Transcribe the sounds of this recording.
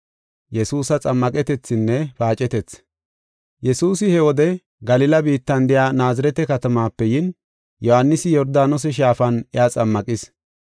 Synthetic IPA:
jɛsuːsɐt͡sʼɐmːɐkʼɛt̪ɛt͡sːɪnːɛfaːt͡ʃʼɛt̪ɛt͡s | jɛsuːsɪhɛwɔd̪ɛ | ɡɐlɪlɐbiːt̪ːɐnd̪ɪjaːnaːzɐɾɛt̪ɛkɐt̪ɐmaːpːɛjɪn | jɔhɐnːɪsɪjɔɾd̪aːnɔs̬ɛʃ̬aːfɐnɛat͡sʼɐmːɐkʼɪs

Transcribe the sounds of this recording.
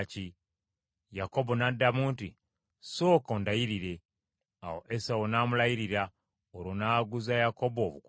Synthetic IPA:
ci | jako̞bo̞nadːamuːnti | so̞ːkondajiɾiɾe̞ | a̰wo̰ʔesawonaːmulajiɾiɾa | oɾonaːɡuzajako̞boβuk

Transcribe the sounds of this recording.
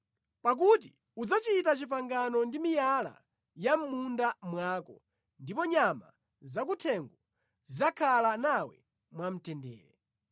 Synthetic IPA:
pak̬ut̬i | ud͡zat͡ʃitat͡ʃipaŋɡanɔndimijala̰ | jam̩mundamwaːkɔ̰ | ndipɔɲama̰ | zakutʰɛŋɡɔ | zakʰalanawɛ̰ | mwam̩tɛndɛ̰ːɾɛ

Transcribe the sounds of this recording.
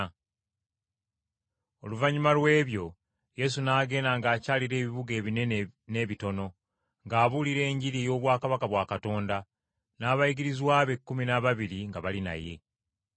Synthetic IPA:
o̞luvaɲumalwe̞ːβjo̞ | je̞sunaːɡe̞ːnaːŋɡaːcaːliɾe̞ːβiβuɡe̞ːβinene̞ːβito̞no̞ | ŋɡaːβuliɾe̞ːɲɟiɾijo̞ːβwaːkaβakaβwaːkato̞ːnda | naːβajiɡiɾizwaːβe̞kːuminaβaβiɾiŋɡaβalina̰je̞̰

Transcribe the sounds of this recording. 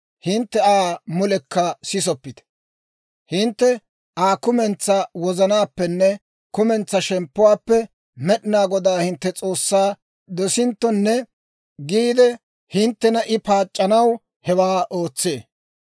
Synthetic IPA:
hɪnt̪ːɛaːmʊlɛkːɐsɪs̬ɔpːɪd̪ɛ̥ | hɪnt̪ːɛ | aːkʊmɛnt͡sːɐwɔzɐnaːpːɛnːɛ | kʊmɛnt͡sːɐʃɛmpːʊwaːpːɛ | mɛɗɪnaːɡɔd̪aːhɪnt̪ːɛt͡sʼo̞ːsːaː | d̪ɔsɪnt̪ːɔnːɛ | ɡiːd̪ɛ | hɪnt̪ːɛnɐʔɪpaːt͡ʃʼːɐnɐw | hɛwaːʔoːt͡sːe̞ː

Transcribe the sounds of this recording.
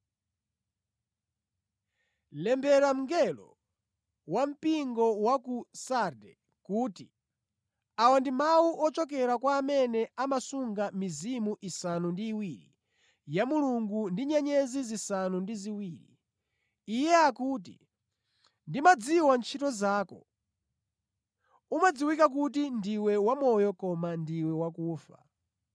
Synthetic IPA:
lɛmbɛɾam̩ŋɡɛlɔ̰ | wam̩piŋɡɔwakusadɛ | kuːti | awandimawuʔɔt͡ʃɔkɛɾakwaːmɛnɛamasuŋɡamizimuʔisanundiːwiɾḭ | jamuluŋɡundiɲɛɲɛzizisanundiziwiːɾḭː | jɛakuːtḭ | ndimad͡ziwant͡ʃʰitɔzaːkɔ̰ | umad͡ziwikak̬utindiwɛwamɔjɔkɔmandiwɛwakuːfa

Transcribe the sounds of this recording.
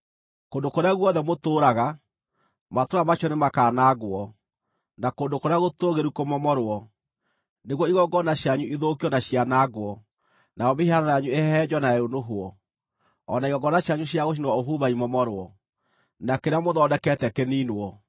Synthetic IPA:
koːndokoɾeaɣwɔðɛmotoːɾaɣa | matoamaʃɔnemakaːnaɡwɔ | nakoːndokoɾeaɣotoːɣeɾukomɔmɔɾoɔ | neɣwɔiɣɔɡɔnaɕjaɲuʔiðokiɔnaɕianaɡwɔ | naɔmehiananajaɲueɛd͡ʑɔnaɛɾonoɦoɔ | ɔnaiɣɔɡɔnaɕjaɲuɕjaɣoʃ̬inwaoɦuβaimɔmɔɾoɔ | nakeɾeamoðɔːdɛkɛtɛkɛninwɔ

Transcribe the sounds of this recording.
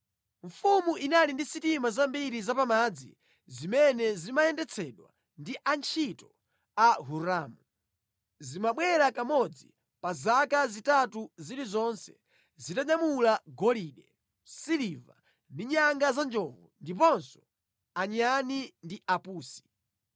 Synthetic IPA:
ɱfumuʔinalindisitimazambiɾizapamad͡zḭ | zimɛnɛzimajɛndɛt͡sʰɛɗwa̰ | ndiʔant͡ʃʰitɔ | aɦuɾaːmu | zimaɓwɛɾakamɔd͡zi | pazakazitatuziɾizɔnsɛ̥ | zitaɲamulaɡɔliɗɛ | siliva̰ | ndiɲaŋɡazand͡ʒɔvɔndip̬ɔnsɔ̥ | aɲanindiapuːsi̥

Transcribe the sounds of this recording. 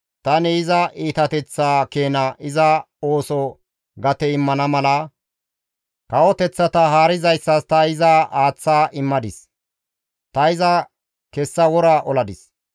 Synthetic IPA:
t̪ɐnɛɪzɐʔiːt̪ɐt̪ɛt͡sːaːkeːnɐʔɪzɐ | o̞ːsɔ | ɡɐt̪ɛɪmːɐnɐmɐlɐ | kɐwɔt̪ɛt͡sːɐt̪ɐɦaːɾɪzɐjsːɐst̪ɐɪzɐaːt͡sːaːʔɪmːɐd̪ɪs | t̪ɐɪzɐ | kɛsːɐwɔɾaʔɔlɐd̪ɪs

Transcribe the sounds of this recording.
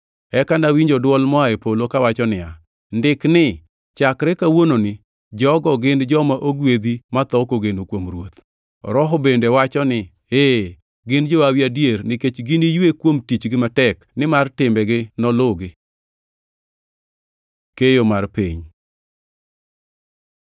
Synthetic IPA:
ɛkanawiɲd͡ʒɔdwɔlmɔaepolokawat͡ʃɔnɪa | ndɪknɪ | t͡ʃakɾɛkawononɪ | d͡ʒɔɡɔɡɪnd͡ʒɔmaʔoɡwed̪imat̪ɔkoɡenokwomɾwot̪ | ɾɔɦɔbendewat͡ʃɔnɪ | e | ɡɪnd͡ʒɔawjadjeɾnɪket͡ʃɡɪnijwekwomtit͡ʃɡɪmatɛknɪmartɪmbɛɡɪnɔlʊɡɪ | kejomarpeɲ

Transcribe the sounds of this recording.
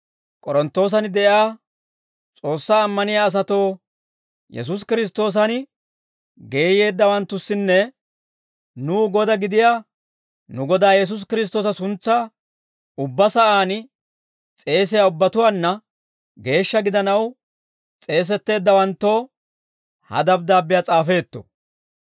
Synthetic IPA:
kʼɔɾɔnt̪ːo̞ːs̬ɐnɪd̪ɛʔaː | t͡sʼo̞ːsːaːmːɐnɪjaːs̬ɐt̪o̞ː | jɛ̰s̬ʊs̬kɪɾɪs̬t̪o̞ːs̬ɐn | ɡe̞ːje̞ːd̪ːɐwɐnt̪ːʊsːɪnːɛ | nuːɡɔd̪ɐɡɪd̪ɪjaː | nʊɡɔd̪aːjɛs̬ʊs̬kɪɾɪs̬t̪o̞ːsɐsʊnt͡sːaː | ʊbːɐsɐʔaːn | t͡sʼe̞ːs̬ɪjaʊbːɐt̪ʊwaːnːɐ | ɡe̞ːʃːɐɡɪd̪ɐnɐw | t͡sʼe̞ːs̬ɛt̪ːe̞ːd̪ːɐwɐnt̪ːo̞ː | hɐ̰d̪ɐb̚d̪aːbːɪjat͡sʼaːfe̞ːt̪ːɔ̥̰

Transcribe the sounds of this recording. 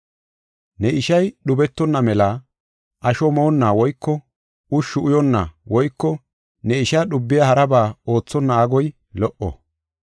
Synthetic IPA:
nɛɪʃɐjɗʊbɛt̪ːɔnːɐmɛla | ʔɐʃɔmoːnːaːwɔjkːɔ | ʔʊʃːʊʊjɔnːa̰wɔjkːɔ | nɛɪʃaɗʊbːɪjahɐɾɐbaːo̞ːt͡sːɔnːaaɡɔj | lɔʔɔ̰

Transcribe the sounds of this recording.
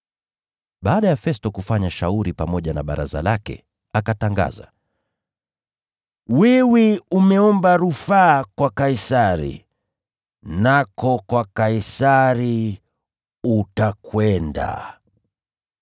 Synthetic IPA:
ɓaːɗajafɛstɔkufaɲaʃauɾipamɔʄana̰ɓaɾa̰za̰lakɛ̰ | akataŋɡa̰za̰ | wiwiumɛɔmbaɾufaːkwakaisaɾḭ | nakɔkwakaisaɾi | utakwɛnda̰

